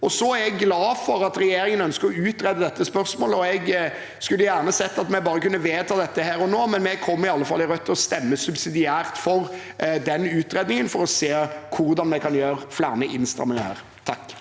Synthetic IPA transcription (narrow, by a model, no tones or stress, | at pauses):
ɔsɔæɾɛɡːlɑːfɔɾɑt̪ɾɛjeːɾɪŋənœnskəɾɔʉːt̪ɾɛd̪ːəd̪ɛt̪ːəspœɾsmoːləɔɛɡ | skʉlːəjæːʁnəsɛt̪ːɑt̪mɛbɑːɾəkʉnːəʋeːt̪ʰɑːd̪ɛt̪ːəhæːɾɔnoːmɛnmɛkʰɔmːɪɑlːəfɑlæɾœt̪ʰːɔst̪ɛmːəsʉbsɪd̪ɪæːɾt̪fɔɾd̪ɛnʉːt̪ɾeːd̪nɪŋənfɔɾɔseːkʰʊɾd̪ɑnmɛɪkʰɑnjøːɾflæ̰ːnəʔɪnst̪ɾɑ̰mːənhæ̰ːɾ | t̪ʰɑkː